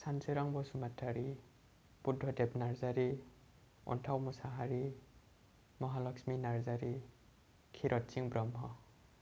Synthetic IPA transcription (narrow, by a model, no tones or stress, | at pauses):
sanseɾaŋbɔsumatʰaɾi | pudʱːɔdɛpnaɾzaɾi | ɔ̰ntʰawmɔsaɦaɾi | mɔɦalɔksminaɾzaɾi | kʰiɾʔɔt̚siŋbɾɔmɦɔ